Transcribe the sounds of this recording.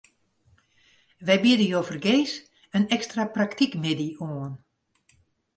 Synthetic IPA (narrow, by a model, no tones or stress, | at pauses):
ʋɛjbidəjofərɡeːs | ənɛkstrapraktikmɪdioən